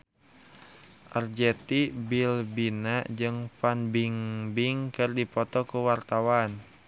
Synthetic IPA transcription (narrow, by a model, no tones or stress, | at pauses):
ʔərd͡ʒɛt̪ibilbinad͡ʒɨŋfanbiŋbiŋkɨrdipɔt̪ɔkuwart̪awan